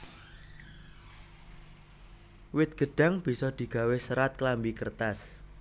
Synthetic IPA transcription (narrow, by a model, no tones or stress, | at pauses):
wɪt̪̚ɡ̥ə̤ɖ̥a̤ŋb̥i̤sɔd̪̥i̤ɡ̥a̤wesəɾat̪̚klambikərt̪as